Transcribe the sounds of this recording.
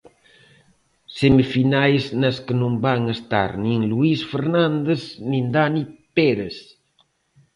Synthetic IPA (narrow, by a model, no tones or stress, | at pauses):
semifinajsnəskənumbaŋəst̪a̰ɾniŋluisfəɾnand̪eznind̪anipeɾes